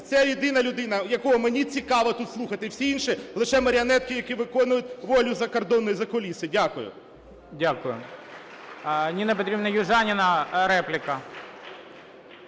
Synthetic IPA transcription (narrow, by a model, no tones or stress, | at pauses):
t̪sɛjid̪ɪnɐlʲʊd̪ɪnɐjɐkɔɦɔmenʲit͡sʲikɑʋɐt̪ut̪slˠuxɐt̪ɪwsʲiinʃilˠɪʃɛmɐɾʲɪɐnɛt̪̚kɪjɐkʲiʋɪkɔnʊjʊt̪̚ʲʋɔlʲʊzɐkɐrd̪ɔnːɔjizɐkɔlʲisɪdʲakʊjʊ̰ | dʲakʊjʊ̰ | nʲinɐp̬ɔt̪ɾʲibnɐjʊʒɑnʲɪnɐɾɛplʲɪkɐ